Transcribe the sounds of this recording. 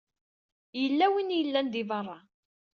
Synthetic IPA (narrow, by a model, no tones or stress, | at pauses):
jəlːæwinjəlːænd̪ivɑrˤːɑ